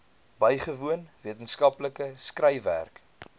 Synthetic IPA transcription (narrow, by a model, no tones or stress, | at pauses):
bəjχəvuənviətənskɐpləkəskrəjvæ̰rk